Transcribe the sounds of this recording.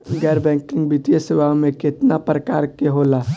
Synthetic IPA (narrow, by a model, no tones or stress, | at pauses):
ɡɛːɾbɛ̃ːŋkɪ̃ŋɡbit̪ijesɪʋamẽkɪt̪napɾəkaːɾkeɦoːla